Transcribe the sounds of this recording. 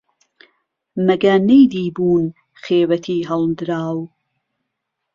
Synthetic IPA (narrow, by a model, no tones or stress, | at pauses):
mɐɡɐnejd̪iːbuːn | xeːwɐt̪ʰiːɦɐlˠd̪ɨɾaːw